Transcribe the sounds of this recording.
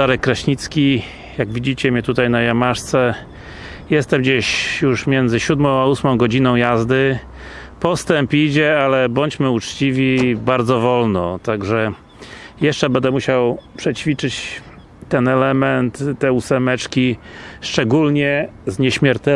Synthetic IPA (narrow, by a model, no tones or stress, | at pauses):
aɾɛkːɾaɕɲit̪skʲi | jaɡvʲid͡ʑit͡ɕɛmʲɲɛt̪ut̪ajnajamaʂt̪sɛ | jɛst̪ɛmd͡ʑeɕjuʂmʲjɛnd̪zɘɕud̪mɔ̃w̃ausmɔ̃w̃ɡɔd͡ʑinɔ̃w̃jazd̪ɘ | pɔst̪ɛmpid͡ʑɛalɛbɔɲt͡ɕmɘut͡ʂt͡ɕivʲibaɾd̪zɔvɔlnɔt̪aɡʐɛ | jɛʂt͡ʂɛbɛnd̪ɛmuɕawpʂɛt͡ɕfʲit͡ʂɘt͡ɕ | t̪ːɛnɛlɛmɛnt̪t̪ːɛusɛmɛt͡ʂkʲiʂt͡ʂɛɡulɲɛzɲɛɕmʲjɛɾt̪ɛ